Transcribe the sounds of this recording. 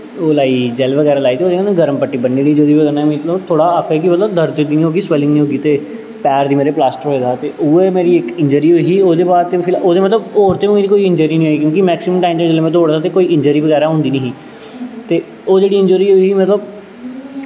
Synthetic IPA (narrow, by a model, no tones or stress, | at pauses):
oːlaːiːd͡ʒɛlʋəɡɛːɾaːlaːiːt̪eːoːd̪eːkaneɡəɾəmpəʈːiːbəɳːiːliːd͡ʒoːd̪iːʋəɡɛːnamĩt̪lət̪ʰoːɽaːəkʰɛːkɪmət̪ləb̚d̪əɾd̪d̪iːnĩːɦoːɡiːswɛlɪ̃ŋɡnĩːɦoːɡiːt̪eː | pɛːɾd̪iːmeːɾeːplaːsʈəɾɦoːeːd̪aːt̪eːʔʊːeːmeːɾiːɪkɪ̃ɲd͡ʒəɾiːɦoːiiːoːd̪eːbaːd̪̚t̪epʰɪloːd̪eːmət̪ləboːɾt̪ẽːiːd̪iːkoːiːɪ̃ɲd͡ʒəːɾiːnĩːɦoːiːkjõːkɪmɛːksɪməmʈaːimd͡ʒ̪ed͡ʒeleːmɛ̃ːt̪oːɽd̪aːt̪eːkoːiːɪ̃ɲd͡ʒəːɾiːbəɡɛːɾaːɦʊ̃ːnd̪iːnĩːɦiː | t̪eː | oːd͡ʒeːɽiːɪ̃ɲd͡ʒoɾiːɦoimət̪ləb̚